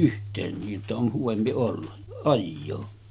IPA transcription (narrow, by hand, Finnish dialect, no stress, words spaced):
ʔyhtˑeːn niːʔ ʔetːæ on huʋempi olːɑ ɑjːoː